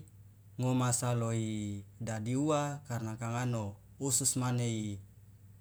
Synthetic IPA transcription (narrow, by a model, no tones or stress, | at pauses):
ŋomasaloidadiuakarnakaŋano | ususmanei